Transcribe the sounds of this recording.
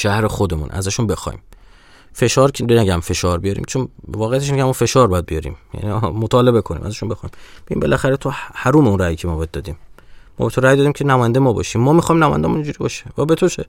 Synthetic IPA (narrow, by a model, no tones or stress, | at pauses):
ʃæhɾe̞xod̪emṵːnʔæ̰zæʃunbe̞xɒ̰jḭm | fe̞ʃɒːɾʰnæɟæmfe̞ʃɒːɾbijɒɾḭːmt͡ʃʰonvɒːɣejæt̪eʃnecʰæmːɔːfe̞ʃɒːɾbɒːjæd̪bijɒɾḭːmjæ̰nimot̪ʰɒːle̞be̞kʰonḭːmʔæ̰zæʃunbexɒimbeiːmbe̞læxæɾet̪ʰohæɾuːmeunræːjiːcʰemɔbɒjæd̪̚dɒːd̪iːmmːɔ̰ːbe̞t̪ʰo̞ɾæːjd̪ɒːd̪imcʰenæmɔːjænd̪jmɒːbɒ̰ʃiːmːɒːmixɒːimnæmɔːjæ̰nd̪æmuniɲd͡ʒuɾiːbɒʃe̥væbet̪ʰot͡ʃʰe